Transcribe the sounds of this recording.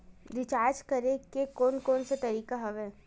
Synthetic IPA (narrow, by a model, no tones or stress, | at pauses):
ɾɪt͡ʃaːɾd͡ʒkɐɾẽkekoːnkoːnsat̪ɐɾiːkaɦɐʋɛː